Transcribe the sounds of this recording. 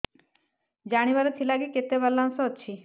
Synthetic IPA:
d͡ʒaɽ̃iʋaɾɔt̪ʰilaɡiket̪ebalːansɔːt͡ʃʰi

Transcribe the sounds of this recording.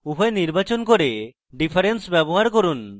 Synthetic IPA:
uɦoeniɾbat͡ɕonkoɾe | ɖipʰaɾensbɛboɦaɾkoɾun

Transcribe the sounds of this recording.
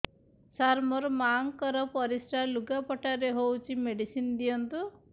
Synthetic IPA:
saɾmɔɾmaŋkɔɾɔpɔɾisʈaluɡapɔʈaɾeɦowt͡ʃʰimeɖisind̪ijɔnt̪u

